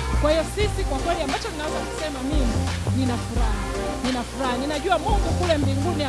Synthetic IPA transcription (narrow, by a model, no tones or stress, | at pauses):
kwahijɔsisikwakwɛliambat͡ʃɔninawɛzaku̥sɛmamimininafuɾaha | ninafuɾahaninaʄuamɔŋɡukulɛmbiŋɡunia